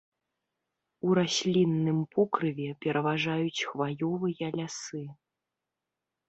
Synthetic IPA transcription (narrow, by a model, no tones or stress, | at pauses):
uɾasʲlʲinːɨmpʰɔkɾɨvʲɛpʲɛɾʔɐvaʐajut͡sʲxvajɔvɨjɐlʲasɨ